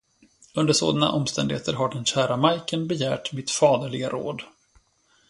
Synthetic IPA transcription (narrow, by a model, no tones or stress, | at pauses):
ɵnd̪əʂo̰ːd̪ana̰ʔɔmst̪ɛnd̪ɪɡheːt̪əɾɦaɖɛnɕæːɾamajkənbɛjæːʈmɪt̪fɑːd̪əɭɪɡaɾo̰ːd̪